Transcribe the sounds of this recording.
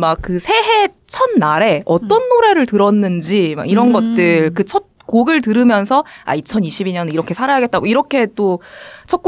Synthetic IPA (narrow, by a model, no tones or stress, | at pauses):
mak̚k͈ɯsʰe̞ɦe | t͡ɕʰʌnːaɾe̞ʌt͈ʌnːoɾe̞ɾɯɭtɯɾʌnːɯnd͡ʑima̰ɡiɾʌnɡʌt̚t͈ɯɭkɯt͡ɕʰʌt̚koɡɯɭtɯɾɯmjʌnsʰʌa̰it͡ɕʰʌniɕʰibiɲʌniɾʌkʰe̞sʰaɾajaɡet̚t͈aɡoiɾʌkʰe̞t͈ot͡ɕʰʌk̚k͈u